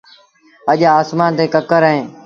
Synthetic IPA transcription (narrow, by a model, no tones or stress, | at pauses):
əʄaːaːsmaːnt̪eːkəkəɾəɦẽː